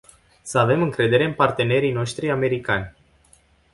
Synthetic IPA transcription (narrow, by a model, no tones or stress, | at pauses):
səave̞mɨŋkɾe̞d̪e̞ɾe̞ɨmpart̪e̞ne̞ɾijno̞ʃt̪ɾiame̞ɾikanʲ